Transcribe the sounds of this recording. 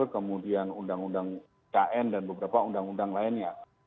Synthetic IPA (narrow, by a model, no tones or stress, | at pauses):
rkəmudianundaŋundaŋ | kaʔɛndanbəbəɾapaundaŋundaŋlaɪnja